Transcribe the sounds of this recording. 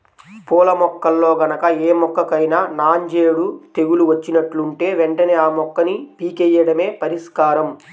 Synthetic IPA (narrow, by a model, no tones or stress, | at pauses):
puːlɐmɔkːɐlːo̞ːɡɐnɐkɐeːmɔkːɐkɐjnaːnaːɲd͡ʒeːɽut̪e̞ɡuluʋɐt͡ʃːinɐʈluɳʈe̞ːʋeɳʈɐneːaːmɔkːɐnipiːkɛjːɐɽɐme̞ːpɐɾiʂkaːɾɐm